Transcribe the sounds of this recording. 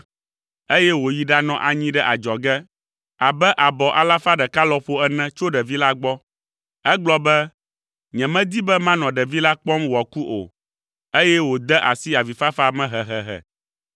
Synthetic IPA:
e˦jɛ˦wo˨ji˦ɖa˦nɔ̃˨ʔa˨ɲĩ˦ɖɛ˦ʔa˨d͡ʒɔ˨ɡɛ˦ | a˨bɛ˦ʔa˨bɔ˨ʔa̰˨la˦fa˦ɖɛ˨ka˦lɔ˦ɸo˦ɛ˦nɛ̃˦t͡ʃo˦ɖɛ˨vi˦la˦ɡ͡bɔ˦ | ɛ˦ɡ͡blɔ˦bɛ˦ | ɲɛ̃˨mɛ̃˦d̪i˦bɛ˦mã˦nɔ̃˨ɖɛ˨vi˦la˦k͡pɔ˦mwɔ˨ku˦ʔo̰˨ | e˦jɛ˦wo˨d̪ɛ˦ʔa˨si˦a˨vi˨fa˦fa˦mɛ̃˦ɦɛ˨ɦɛ˨ɦɛ̰˨

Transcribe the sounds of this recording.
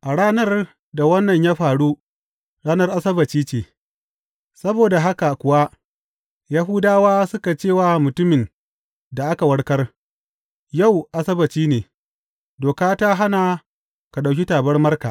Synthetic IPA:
ʔa˨ɽaː˦nɐ˦r | da˨wɐ˦nːɐ˨ɲjaː˦ɸaː˨ɽu˦ | ɽaː˦nɐ˦rʔa˦sɐ˦bɐ˨t͡ʃiː˦t͡ʃeː˨ | sɐ˦boː˨da˨ɦa˦ka˨kʷʊ˨wa˦ʔ | ja˦ɦʊ˦daː˦waː˦sʊ˦ka˨t͡ʃeː˦˨waː˨mʊ˨tʊ˦mɪ˨n | da˨ʔa˦ka˨wɐ˦ɽkɐ˦r | ja˦˨wʔa˨sɐ˦bɐ˨t͡ʃiː˦neː˨ | doː˨kaː˦ta˦ɦa˦na˨ | ka˨ɗa˨wkʲi˦taː˨bɐ˦rmɐ˦rka˨ʔ

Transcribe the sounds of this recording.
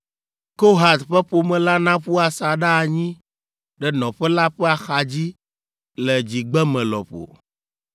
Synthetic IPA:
ko˦ɦa˨t̪ɸɛ˦ɸo˨mɛ̃˨la˦nã˦ɸu˦a˨sa˨ɖa˦˨ɲĩ˦ | ɖɛ˦nɔ̃˨ɸɛ˦la˦ɸɛ˦a˨xa˨d͡ʑi˦ | lɛ˨d͡ʑi˨ɡ͡bɛ˦mɛ̃˨lɔ̰˨ɸo̰˨

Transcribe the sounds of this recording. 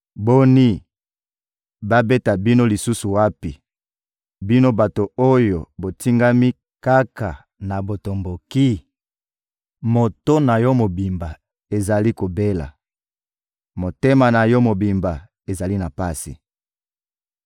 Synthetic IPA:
bo˦ni˦ | ba˦be˦ta˨bi˦no˦li˨su˦su˨wa˦pi˨ | bi˦no˦ba˨to˨o˦jo˨bo˨ti˦ŋɡa˦mi˦ | ka˦ka˨ | na˨bo˨to˨mbo˨ki˦ | mo˨to˦na˨jɔ˦mo˨bi˨mba˨ | e˨za˨li˦ko˨be˦la̰˨ | mo˨te˦ma˨na˨jɔ˦mo˨bi˨mba˨ | e˨za˨li˦na˨pa˦sḭ˨

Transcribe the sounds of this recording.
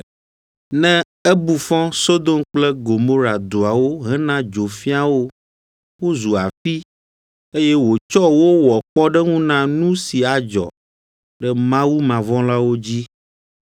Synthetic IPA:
nɛ̃˦ | ɛ˦bu˨fɔ̃˦so˦d̪o˦mk͡plɛ˦ɡo˨mo˦ɾa˨d̪o˨a˨wo˦ɦɛ̃˦nã˦d͡ʒo˨fi˦a˦˨wo˦ | wo˦zu˨a˨fi˦ | e˦jɛ˦wo˨t͡ʃɔ˦wo˦wɔ˨k͡pɔ˦ɖɛ˦ŋũ˦nã˦nũ˦si˨a˨d͡ʒɔ̰˨ | ɖɛ˦mã˦wu˦mã˨vɔ̃˦la˦wo˦d͡ʑi˦

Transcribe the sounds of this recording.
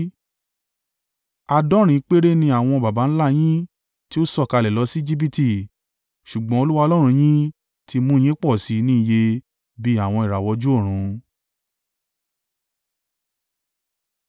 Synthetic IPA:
a˧dɔ˦ɾ̃ĩ˨˦k͡pe˦ɾe˦nĩ˧a˦˨w̃ɔ̃˧ba˨ba˨˦n̩˦la˦˨j̃ĩ˦ | ti˦o˦sɔ˦˨ka˧lɛ˨lɔ˧˦si˦d͡ʒi˦b̬i˦ti˧˨ | ʃu˨ɡ͡bɔ̃˦o˧lu˦wa˦˧o˧lɔ˦ɾ̃ũ˧j̃ĩ˦ | tʰi˧mũ˦˨j̃ĩ˦k͡pɔ˦˨si˨˦nĩ˦i˦˨je˧ | bi˦a˦˨w̃ɔ̃˧i˨ɾa˨wɔ˧˦d͡ʒu˦o˦˨ɾ̃ũ˨˧˦

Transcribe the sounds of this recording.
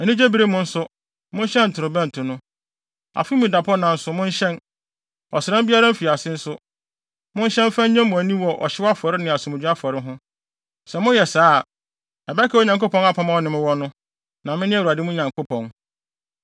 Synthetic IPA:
ɛ˨nĩ˦d͡ʑe˦bi˨ɾe˦mʊ̃˦n̩˦sʊ˦ | mʊ̃˦n˦ɕɛ̃˦n̩˨tʰʊ˨ɾʊ˨bɛ̃˦n̩˨tʰʊ̃˨nʊ̃˦ | a̰˨fi˦mũ˨da˨pʰɔ˦nã˨n̩˦sʊ˦mʊ̃˦n˦ɕɛ̃˦n | ɔ˨sɪ˨ɾɛ̃˦mbi˦a˦ɾa˦m̩˦fi˨a˨sɪ̃˦n̩˦sʊ˦ | mʊ̃˦n˦ɕɛ̃˦m˦fã˦ɲ˦ɲã˦mʊ̃˨æ˨nĩ˦wɔ˨ʔɔ̰˨ɕɪ˦wa˦fɔ˨ɾɪ˦nɪ̃˨a˨sũ˨mʊ˨˦a˦fʊ˨ɔ˨ɾɪ˦ɦʊ̃˦ | sɛ˨mʊ̃˦jɛ˨saː˨˦˨ | ɛ˨bɛ˦kʰɛ˦o˨ɲã˨ŋko˦pʰɔ̃˦na˦pʰã˨mã˦ɔ˦nɪ̃˨mɪ̃˦wɔ˦nʊ̃˦ | nã˨mɪ̃˦nɪ̃˦˨a˨dɪ˦mʊ̃˦ɲã˨ŋko˦pʰɔ̃˨n

